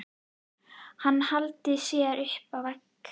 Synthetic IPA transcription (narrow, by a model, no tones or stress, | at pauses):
hanːhalt̪ɪsɛːɾʏhpavɛɾk